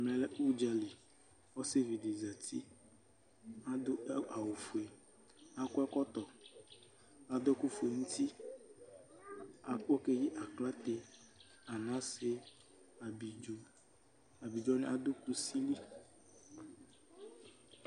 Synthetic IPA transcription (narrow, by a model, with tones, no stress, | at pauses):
mɛ˦lɛ˦ʔu˦d͡ʒa˨li˨ | wɔ˦se˦vi˨de˨za˨t̪ʰi˦ | a˦dʊ˦ʔa˨wʊ˨fu˨e˨ | a˦kʊ˦ɛ˦kɔ˦t̪ɔ˨ | a˨d̪ɔ˦kʊ˦fu˨e˨ŋũ˦t̪i˦ | a˨k͡pɔ˦ke˦jɪ˦ʔa˨kla˦t̪e˦ | a˨nã˦sɪ˦ | a˨bi˨ | a˨bi˨d͡ʒɔ˦nɪ̃˦a˦d̪ʊ˦ku˦si˦li˦